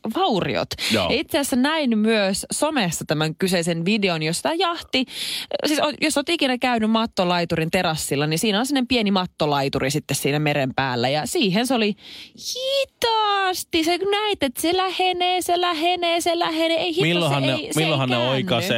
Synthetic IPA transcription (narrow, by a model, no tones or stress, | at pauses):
ʋɑurḭo̰t̪jo̰jɑit̪seɑsːænæinmyøssomesːɑt̪æmæŋkyseisenʋideonjosit̪æjɑht̪isiːsojosoːt̪ikinækæynymmɑt̪ːolɑit̪uɾint̪eɾɑsːilːɑnisiːnonsimnːempienimɑt̪ːolɑit̪urisit̪ːessiːnæmeɾempæːlːæjɑsiːɦenseolihit̪ɑst̪iseknæit̪ːet̪selæheneːselæheneːselæheneːeihimilːohɑnneimilːohɑnneoiknɑse